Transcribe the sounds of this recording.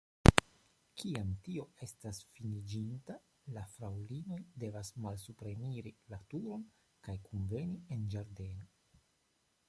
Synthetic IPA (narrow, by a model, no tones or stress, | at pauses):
kiamtio̞e̞stasfinid͡ʒinta | lafɾawlino̞jde̞vasmalsupɾe̞niɾilatuɾo̞n | kajkunve̞niend͡ʒaɾde̞no